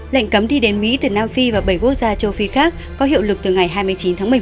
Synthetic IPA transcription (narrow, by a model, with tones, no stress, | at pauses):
la̰˧˨jŋ̟kə˨˦mɗi˧ɗe˨˦nmḭ˧˥t̪ɨ˨˩naː˧mfi˧vaː˨˩ɓə˧˩jku˦˥ək̚zaː˧t͡ɕə˧wfi˨˦xaː˦˥k̚ːɔ˨˦ɦḭ˧˨əwlɨ˨˩k̚t̪ɨ˨˩ŋa˨˩jɦaː˧jmɨ˧əjt͡ɕi˨˦nt̪ʰaː˨˦m˨˩˨